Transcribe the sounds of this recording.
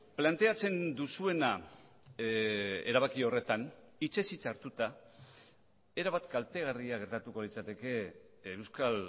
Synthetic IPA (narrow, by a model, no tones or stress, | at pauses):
plant̪e̞at͡se̞nd̪usue̞na | e̞̰ɾaβ̞akio̞re̞t̪an | it͡ʃe̞sit͡saɾt̪ut̪a | e̞ɾaβat̪kalt̪e̞ɣ̞ariaɣ̞e̞ɾt̪at̪uko̞lit͡sat̪e̞ke̞ːwskal